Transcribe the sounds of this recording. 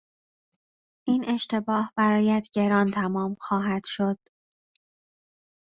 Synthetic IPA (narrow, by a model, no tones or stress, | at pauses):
ʔiːnʔe̞ʃt̪e̞bɒːhb̥æɾɒːjæd̪̥ɟe̞ɾɒːnt̪ʰæmɒːmxɒːɦæd̪̥ʃo̞d̪̥